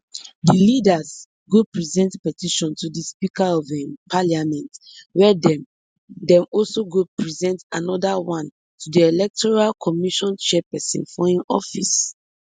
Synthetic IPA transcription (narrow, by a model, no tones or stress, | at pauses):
dilidaz | ɡupɹizɛ̃ntpɛtiʃɔ̃ntudispikaɔvɛ̃mpʰaliamɛ̃nt | wɛdɛ̃m | dɛ̃mɔlsoɡopʰɹizɛ̃ntanɔdawãn | tudielɛk̚tɔɹalkʰɔmiʃɔ̃nt͡ʃɛpɛsɛ̰̃nfɔĩnɔ̰fis